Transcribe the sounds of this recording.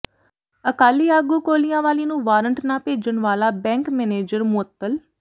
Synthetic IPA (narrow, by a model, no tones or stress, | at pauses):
əkaːliːaːɡuːkoːlijãːʋaːliːnũːʋaːɾəɳʈnãːpeːd͡ʒənʋaːlaːbɛ̃ːŋkmɛːneːd͡ʒəɾmʊət̪ːəl